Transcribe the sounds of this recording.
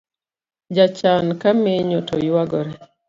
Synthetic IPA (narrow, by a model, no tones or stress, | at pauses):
d͡ʒat͡ʃankameɲotɔjwaɡɔɾɛ